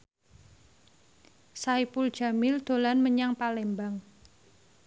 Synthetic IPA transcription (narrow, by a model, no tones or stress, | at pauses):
saipʊld̥ʒ̥a̤mɪld̪̥o̤lanməɲaŋpalembaŋ